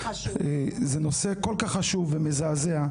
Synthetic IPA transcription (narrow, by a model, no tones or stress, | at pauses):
ezenosekolkaχːaʃuvːemezaːzea